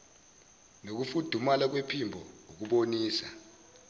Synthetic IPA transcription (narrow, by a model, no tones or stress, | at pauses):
nok̬ufud̥ʱumalak̬wepʰimbʱɔuk̬uɓoniːsa̰